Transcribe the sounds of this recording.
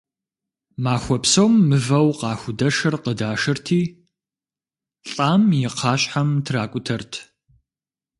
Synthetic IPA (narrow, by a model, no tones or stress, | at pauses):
maːxʷɔpsɐwmːɨvɐwqɑːxʷʊdɐʂɨrqədaːʂɨrtʰiː | ɬʼaːmjɪqʰɑːɕʼħamtʰraːkʷʼʊtʰɐrtʰ